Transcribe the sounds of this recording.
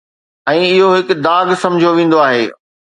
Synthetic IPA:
ɛ̃ːɪɦoɦɪkd̪aːɡsɐ̃md͡ʑʱijoʋẽːn̆d̪oaːɦeː

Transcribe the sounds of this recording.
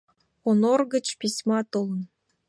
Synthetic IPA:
onorɡə̆t͡ɕpʲisʲmɑt̪ŏlˠə̆n

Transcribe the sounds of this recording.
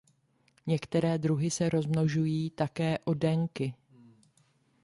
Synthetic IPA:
ɲɛkt̪ɛɾɛːd̪ɾuɦɪsɛɾo̞zmno̞ʒujiːt̪akɛːʔo̞dɛŋkɪ

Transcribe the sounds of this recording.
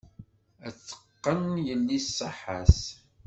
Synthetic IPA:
æt͡sːə̥qːənjəlːisˤːəħːas

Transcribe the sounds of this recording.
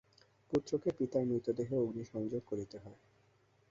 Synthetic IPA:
put̪ːɾokepit̪aɾmɾit̪od̪eɦeoɡniʃɔŋd͡ʑoɡ̚koɾit̪eɦɔe

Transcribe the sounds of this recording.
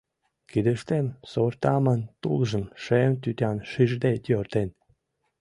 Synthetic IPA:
kid̪ə̆ʃt̪emsort̪ɑmə̆nt̪ṵlˠʒə̆nʃemt̪yt̪ʲɑnʃiʒd̪et̪ʲørt̪en

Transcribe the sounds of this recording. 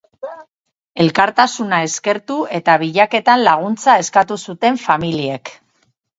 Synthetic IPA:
e̞lkaɾt̪asunae̞ske̞ɾt̪ue̞t̪aβ̞iʎake̞t̪anlaɣ̞unt͡sae̞skat̪usut̪e̞ɱfamilie̞k

